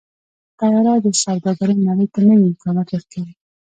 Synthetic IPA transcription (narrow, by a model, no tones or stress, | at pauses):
t̪ajɑɾɑd̪əsɑwd̪ɑɡaɾəjnaɽəjt̪anəwiɪmkɑnɑt̪wəɾkawi